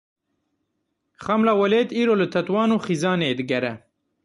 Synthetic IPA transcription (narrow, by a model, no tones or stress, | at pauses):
χɐmlawɐleːt̪iːɾolət̪ʰɐt̪wɑːnoxizɑːned̪ɨɡɐɾɐ